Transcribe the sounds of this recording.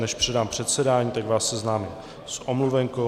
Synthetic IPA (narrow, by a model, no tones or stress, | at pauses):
nɛʃpr̝̥ɛdaːmpr̝̥ɛt̪sɛdaːɲiːt̪aɡvaːsːɛznaːmɪm | sʔomluvɛŋko